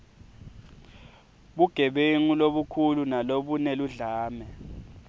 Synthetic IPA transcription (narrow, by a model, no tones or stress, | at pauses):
ɓuɡ̥ʱɛɓeŋuloɓukʰulunaloɓunɛluɮaːmɛ